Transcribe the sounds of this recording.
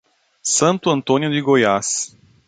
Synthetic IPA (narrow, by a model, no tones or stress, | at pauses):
sɐ̃nt̪uɐ̃nt̪onjud̪iɡojas